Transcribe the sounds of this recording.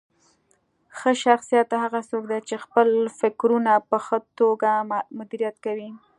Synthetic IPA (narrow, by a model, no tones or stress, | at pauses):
xəʃaxsijɑt̪ːaɦaɣasokd̪at͡ʃexpəlfɪkɾunapəxət̪oɡamʊd̪iɾijat̪kawi